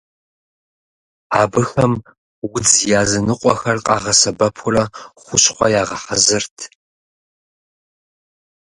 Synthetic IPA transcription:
aːbɨxɐm | wʊd͡zjaːzɐnɨqʷʼɔxɐrqʼɑːʁɐsɐbɐpʰʊrɐχʷʊɕχʷɔjaːʁɐħɐzɨrtʰ

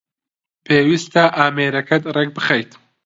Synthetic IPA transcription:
pʰeːwist̪aʔaːmeːɾɐkɐt̪rek̚bɨxɐjt̪

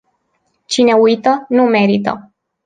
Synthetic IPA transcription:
t͡ʃine̞ujt̪ənume̞ɾit̪ə̰

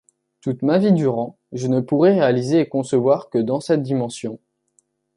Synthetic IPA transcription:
t̪ut̪mavid̪yʁɑ̃ | ʒənəpuʁɛʁealizeːkɔ̃səvwaʁkəd̪ɑ̃sɛt̪̚d̪imɑ̃sjɔ̃

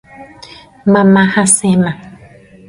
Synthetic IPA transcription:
mãmãhasɛmã

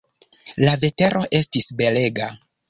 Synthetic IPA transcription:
lave̞te̞ɾʔo̞ʔe̞stisbe̞le̞ɡa

